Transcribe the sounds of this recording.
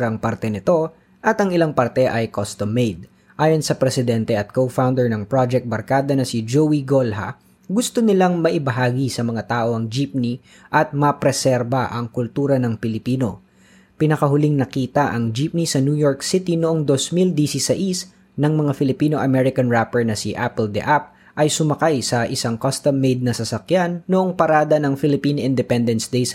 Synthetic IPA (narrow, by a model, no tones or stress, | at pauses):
ɐŋpaɾt̪ɛnɪt̪o̞ | ʔɐt̪ɐŋɪlaŋpɐɾt̪ɛʔɐjkost̪omːejd̪̚ | ʔaːjo̞nsɐpɾɛsɪd̪ɛnt̪ɛɐt̪̚kowfawnd̪ɛɹnɐŋpɹod͡ʒɛk̚t̪̚bɐɾkaːd̪ɐnɐsɪd͡ʒowiɡolɦɐ̰ | ɡʊst̪o̞nɪlaŋmɐʔɪbɐɦaːɡisɐmɐŋat̪aːʔo̞ɐŋd͡ʒip̚ni | ʔɐt̪̚mɐpɾɛsɛɾbɐʔɐŋkʊlt̪uːɾɐnɐŋpɪlɪpiːno̞ | pɪnɐkɐɦʊliŋnɐkiːt̪ɐʔɐŋd͡ʒip̚nisɐnjujoɹksit̪inoʔoŋd̪o̞smild̪isisɐʔis | nɐŋmɐŋafɪlɪpiːno̞ʔɐmɛɾɪkɐnɹapɛɹnɐsiʔapɛld̪ɛ̰ʔap̚ | ʔɐjsʊmɐkajsɐʔɪsaŋkɐst̪ɐmːejd̪̚nɐsɐsɐkjanːoʔoŋpɐɾaːd̪ɐnɐŋfɪlɪpinʔɪnd̪ɛpɛnd̪ɛnsd̪ejs